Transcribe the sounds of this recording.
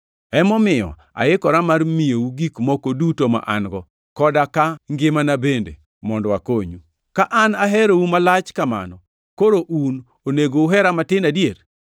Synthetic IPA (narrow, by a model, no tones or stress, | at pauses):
ɛmɔmɪjɔ̰ | a̰jɪkɔɾamarmijouɡikmokodutoma̰ʔa̰nɡɔ | kɔdakaŋɡɪmanabendḛ | mɔndɔwakoɲu | kaʔanaɦɛɾowumalat͡ʃkama̰nɔ | koɾoʔun | oneɡouɦɛɾamatɪnadjeɾ